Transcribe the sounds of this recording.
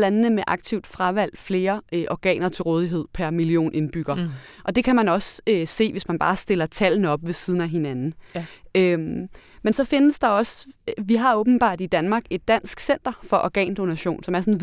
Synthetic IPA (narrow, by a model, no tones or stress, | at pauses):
lænnəmeʔɑ̈ɡ̥̚t͡sʰiʊ̰d̥fʁɑ̈ʋæl̰d̥fle̝ːɐʔɒɡ̥ɛ̰ːnɐt͡sʰe̝lʁɔːð̞ˠiɦe̝ð̞̰ˠpʰæɐmilio̝̰ːnʔe̝nb̥yɡ̥ɐʔɒ̽d̥e̝kʰæmænɒ̽søse̝̰ːʋe̝smænb̥ɑ̈ːsd̥e̝lɐt͡sʰælnəɒ̽b̥ʋe̝siːð̞ˠn̩æɦe̝nænn̩ø | mensɒ̽fe̝nəsd̥ɑ̈ɒ̽sʋiɦɑ̈ɔ̽ːb̥n̩b̥ɑ̰̈ːd̥id̥ænmɑ̈ːɡ̥e̝d̥̚ːæn̰sɡ̥sen̰d̥ɐfɒ̽ʔɒɡ̥ɛ̰ːnd̥o̝næɕo̝̰ːnsɒ̽mæɐsɔn̩ʋ